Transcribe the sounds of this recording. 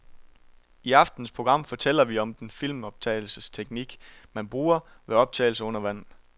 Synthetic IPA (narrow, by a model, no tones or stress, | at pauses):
iɑ̈fd̥n̩spʰʁo̝ɡ̥ʁɑ̈m̰fɒ̽t͡sʰel̰ɐʋiɒ̽md̥enfil̰mɒ̽b̥̚t͡sʰɛ̰ːɪl̩səst͡sʰeɡ̥niɡ̥mænb̥ʁuːɐʋeɒ̽b̥̚t͡sʰɛ̰ːl̩səɔ̽n̰ɐʋæn̰n